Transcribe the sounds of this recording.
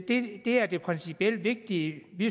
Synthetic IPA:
d̥e̝d̥e̝æɐd̥e̝pʰʁɛnsipʰiel̰d̥ʋe̝ɡ̥̚d̥iəʋi

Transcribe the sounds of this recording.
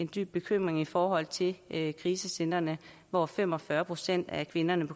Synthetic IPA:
e̝nd̥y̰ːb̥e̝kʰøm̰ʁeŋifɒːɦɒ̽l̰t͡sʰe̝lkʰʁiːsəsen̰ɐnə | ʋɒfem̰ɒ̽fɶːɐpʰʁo̝sen̰d̥ækʰʋe̝nɐnəpʰɒ̽

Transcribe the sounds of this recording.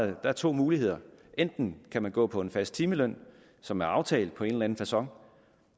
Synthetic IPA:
d̥ɑ̈æɐt͡sʰo̝̰ːmuːlihe̝ð̰ˠɐʔend̥n̩kʰæmænɡ̥ɔ̰̽ːpʰɒ̽e̝nfæsd̥̚t͡sʰiːməløn̰ | sɒ̽mæɐɑ̈ʊt͡sʰɛ̰ːld̥̚pʰɒ̽e̝nlæn̩fæsɒ̽ŋ

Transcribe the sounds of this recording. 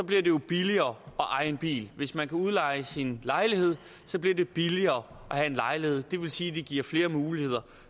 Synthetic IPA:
sɒ̽b̥liɐde̝jo̝b̥iliɐːɒ̽ʔɑ̈ɪe̝nb̥ḭːlʋe̝smænkʰæuð̞ˠlɑ̈ɪəsinlɑ̈ɪlihe̝ð̞̰ˠ | sɒ̽b̥liɐd̥e̝b̥iliɐː | ʔɒhæe̝nlɑ̈ɪlihe̝ð̞̰ˠd̥e̝ʋe̝lsiːd̥e̝ɡ̥iɐ̰fle̝ːɐmuːlihe̝ð̞̰ˠɐ

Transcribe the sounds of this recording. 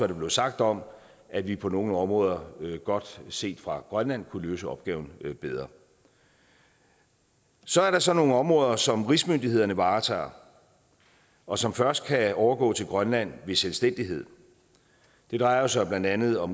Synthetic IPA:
ʋɑ̈d̥e̝b̥le̝ʊsɑ̈ɡ̥̚d̥ɒ̽m | ʔæʋipʰɒ̽no̝ːn̩ɒ̽mʁɔ̽ːðˠɐɡ̥ɒ̽d̥se̝̰ːd̥fʁɑ̈ɡ̥ʁɶnlæn̰kʰuløːsəɒ̽b̥̚ɡ̥ɛ̰ːʊn̩b̥eð̞ˠʁɐ | sɒ̽æɐɾɑ̈sɒ̽no̝ːŋn̩ɒ̽mʁɔ̽ːðˠɐsɒ̽mʁismønd̥ie̝ðˠɐnəʋɑ̈ːt͡sʰɑ̰̈ː | ɒ̽sɒ̽mfɶɐsd̥̚kʰæɒʊɐɡ̥ɔ̰̽ːt͡sʰe̝lɡ̥ʁɶnlæn̰ʋe̝selsd̥en̰d̥iɦe̝ð̞̰ˠ | d̥e̝d̥ʁɑ̈ɪɐsɑɪb̥læn̰d̥ænð̞̩ˠɒ̽m

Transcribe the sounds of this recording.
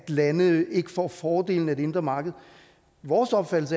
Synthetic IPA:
d̥lænəe̝ɡ̥əfɒ̰ːfɒːd̥e̝̰ːln̩æd̥e̝e̝nd̥ʁɐmɑ̈ːɡ̥əð̞̩ˠ | ʋɒːsɒ̽b̥fæd̥l̩sə

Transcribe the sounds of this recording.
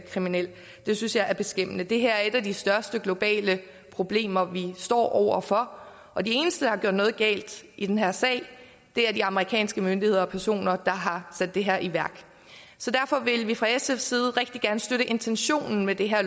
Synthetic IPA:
kʰʁiminel̰ | d̥e̝synsjɑ̈ɪʔæɐb̥e̝sɡ̥em̰ənəd̥e̝ɦæɐæɐe̝d̥æd̥isd̥ɶɐsd̥əɡ̥lo̝b̥ɛ̰ːlə | pʰʁo̝b̥le̝̰ːmɐʋisd̥ɒ̰ːʔɒʊ̰ɐ̰fɒ̽ | ʔɒ̽d̥ie̝ːnəsd̥əd̥ɑ̈hɑ̈ɡjoʊɐd̥nɔ̽ːð̞̩ˠɡ̥ɛ̰ːld̥id̥enɦæɐ̰sɛ̰ɪ̰ | d̥e̝æɐdiɑ̈məʁikʰɛ̰ːnsɡ̥əmønd̥ihe̝ðˠɐɒ̽pʰæɐso̝̰ːnɐd̥ɑ̈ɦɑ̈sæd̥ːe̝ɦæɐʔiʋæɐɡ̥ | sɒ̽d̥æɐfɒ̽ʋe̝lʋifʁɑ̈esefsiːð̞̩ˠʁɛɡ̥d̥iɡ̥æɐnəsd̥øɾəʔe̝nt͡sʰenɕo̝̰ːnn̩med̥e̝ɦæɐ

